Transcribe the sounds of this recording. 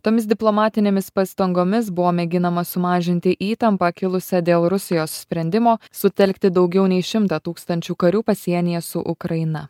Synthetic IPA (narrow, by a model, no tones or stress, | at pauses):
t̪oːmʲɪsd̪ʲɪplˠoːmɑːt̪ʲɪnʲeːmʲɪspɐst̪ɐŋɡoːmʲɪs̬bʊʋoːmʲɛɡʲɪnɐmɐsʊmɑːʒʲɪnʲt̪ʲɪʔiːt̪ɐmpɐkʲɪlˠʊsʲɛd̪ʲeːlˠɾʊsʲɪjoːssʲpʲɾʲɛnʲd̪ʲɪmoːsʊt̪ʲɛlʲkt̪ʲɪd̪ɒʊɡʲɛʊnʲɛɪʃʲɪmt̪ɑːt̪uːkst̪ɐnʲt͡ʃʲuːkɐɾʲuːpɐsʲiɛnʲɪjɛsʊʔʊkɾɐɪnɐ